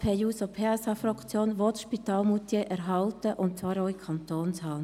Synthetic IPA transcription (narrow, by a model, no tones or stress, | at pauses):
pʰɛjuːsopʰeɛsɑfɾɑkt͡sjoːnʋɔtʃpit̪ɑːlmutjeʔɛɾɦɑltəʔʊntt͡svɑːɾoʊikʰɑnt̪oːnshɑː